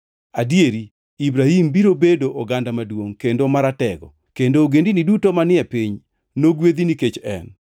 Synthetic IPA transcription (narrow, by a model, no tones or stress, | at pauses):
adjeɾi | ibɾahimbiɾobedoʔɔɡandamadwoŋkendomaɾatɛɡɔ̰ | kendoːɡendinidutomanɪɛpiɲ | noɡwed̪iniket͡ʃɛ̰n